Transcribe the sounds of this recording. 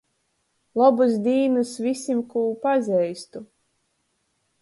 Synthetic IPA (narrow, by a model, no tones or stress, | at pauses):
lˠɔbuzd̪ʲiːnɨsvʲisʲimkuːpazʲɛjst̪u